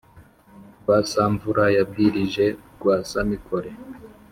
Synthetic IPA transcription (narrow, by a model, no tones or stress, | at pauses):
wasaɱvuɾajab̚ɡiɾiʒe̞ɡ̥waːsamikʰoɾe